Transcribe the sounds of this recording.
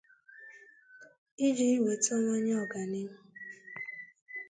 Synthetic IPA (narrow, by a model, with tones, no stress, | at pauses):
i˦d͡ʒi˦i˦we˨tɔ˦ŋʷa˦ɲ˦ɔ˨ɡa˨nɪ˦mʊ˦